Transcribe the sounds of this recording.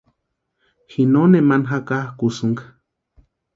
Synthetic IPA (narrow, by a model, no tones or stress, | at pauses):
hinonemanɦakahkusɨŋka